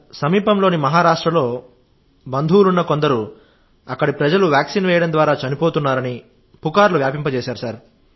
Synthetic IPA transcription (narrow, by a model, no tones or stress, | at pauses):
sɐmiːpɐmlo̞ːnimɐɦaːɾaːʂʈɾɐlo̞ː | bɐnd̪ʱuːɾunːɐko̞nd̪ɐɾu | ɐkːɐɽipɾɐd͡ʒɐluʋjaːksinʋɛːjɐɽɐmd̪ʋaːɾaːt͡ʃɐnipoːt̪unːaːɾɐni | pukaːɾluʋjaːpimpɐt͡ʃɛːʃaːɾusaːɾ